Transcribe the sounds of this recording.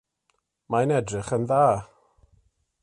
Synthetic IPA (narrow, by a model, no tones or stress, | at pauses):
maənɛdrɪχənðaː